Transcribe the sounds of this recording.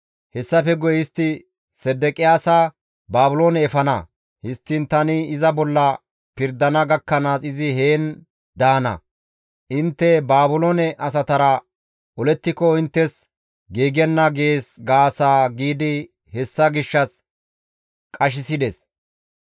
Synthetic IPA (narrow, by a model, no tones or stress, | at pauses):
hɛsːɐfɛɡɔjɪst̪ːɪ | sɛd̪ːɛkʼɪjaːsa | baːbʊloːnɛɛfɐnɐ̰ | hɪst̪ːɪnt̪ɐnɪɪzɐbɔlːɐ | pɪɾd̪ɐnɐɡɐkːɐnaːsɪzɪɦe̞ːn | d̪aːnɐ̰ | ʔɪnt̪ːɛbaːbʊloːnɛʔɐs̬ɐt̪ɐɾɐ | ʔɔlɛt̪ːɪkɔɪnt̪ːɛs | ɡiːɡɛnːɐɡeeːsɡaːsaːɡiːd̪ɪ | hɛsːɐɡɪʃːɐs | kʼɐʃ̬ɪsɪd̪ɛs